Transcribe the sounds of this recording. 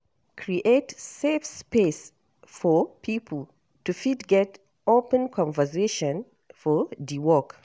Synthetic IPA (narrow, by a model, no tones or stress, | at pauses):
kʰɹiʔetsefspes | fɔpʰipʰlˠ | tufidɡɛt | opə̃nkʰɔ̃nvəseʃɔ̃n | fɔdiwɔk